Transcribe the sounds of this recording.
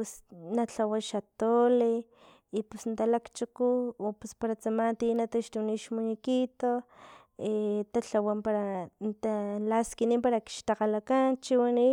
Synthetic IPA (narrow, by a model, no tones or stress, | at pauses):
pusnat͡ɬawaʃat̪ole | ipusnt̪alakt͡ʃukuopuspaɾat͡samant̪inat̪aʃt̪uniʃmunikit̪o | et̪aɬawampaɾant̪alaskiniːmpaɾaki̥ʃt̪aqalakant͡ʃiwani